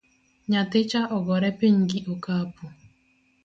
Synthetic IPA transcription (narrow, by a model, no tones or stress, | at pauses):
ɲatɪt͡ʃaʔɔɡɔɾɛpiɲɡɪʔokapu